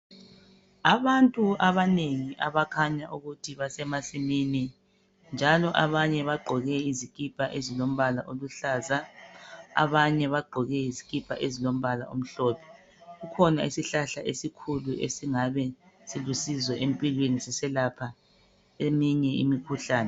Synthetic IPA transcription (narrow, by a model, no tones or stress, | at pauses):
aβantʼuaβaneŋiʔaβakʰaɲaʔuɣutʰiβasɛmasimini | nd͡ʒʱalɔʔaβaɲɛβaɡ͡ǃʱɔɣɛizikʼipʰʼaʔezilom̩βalaʔoluɬaːza | a̰βaɲɛβaɡ͡ǃʱɔɣɛizikʼipʰʼa̰ʔezilom̩βala̰om̩ɬɔːpʰɛ̥ | ɣukʰɔnaisiɬaɬaʔesikʰuluʔḛsiŋaβɛ | silusizwɛʔempʼilwenisɛsɛlapʰa | emiɲɛḭmikʰuɬaːnɛ